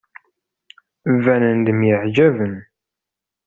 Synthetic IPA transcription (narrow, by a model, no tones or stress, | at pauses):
vænənd̪əmjəʕd͡ʒævən